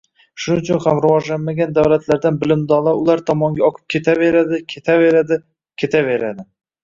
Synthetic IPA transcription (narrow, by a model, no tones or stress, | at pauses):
ʃʊnɪt͡ʃʰʊnhamɾʊvɒʒlanmaɡʲand̪awlat̪ʰlaɾd̪anbɪlɪmd̪ɒlˠaʊlˠaɾt̪ʰɒmɒŋɡʲaɒqkʰɨ̥p̚kʲʰet̪ʰaveɾad̪ɪkʲʰet̪ʰaveɾad̪ɪ | kʲʰe̞t̪ʰave̞ɾad̪ɪ